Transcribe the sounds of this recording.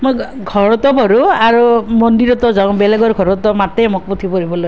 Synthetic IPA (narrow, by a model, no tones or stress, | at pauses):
mo | ɡʱɔɹɔt̪ɔbʱɔɾuaɾumɔndiɾɔt̪ɔzaw̃beleɡɔɾɡʱɔɾɔt̪ɔmat̪ejmok̚put̪ʰipɔɾibɔloj